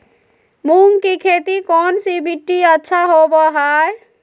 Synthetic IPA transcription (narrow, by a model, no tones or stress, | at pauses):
muŋkikʰet̪ikɔnsibiʈːiətːʃʰaɦobɔɦaj